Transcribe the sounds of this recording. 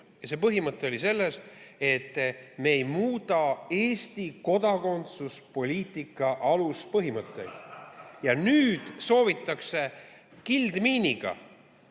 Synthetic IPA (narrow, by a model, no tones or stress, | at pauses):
jɑse̞ːpɤɦimɤt̪ːˑe̞o̞lise̞lːese̞t̪ːme̞ːjmuːt̪ɑe̞ːst̪iko̞d̪̥ɑko̞nt̪suspo̞lʲiːt̪ˑikːˑɑʔɑluspɤɦimɤt̪ˑːe̞̰jd̪̥jɑnyːd̪̥so̞ːvit̪ːˑɑkse̞ | kild̪miːniɡ̥ɑ̰